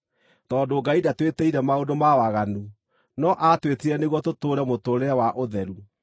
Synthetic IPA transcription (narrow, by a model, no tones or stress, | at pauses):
tɔdoɡaidatwetɛiɾɛmaodomawaɣanu | nɔʔatwetiɾɛneɣuɔtotoːɾɛmotoɾeɛwaʔoðɛɾu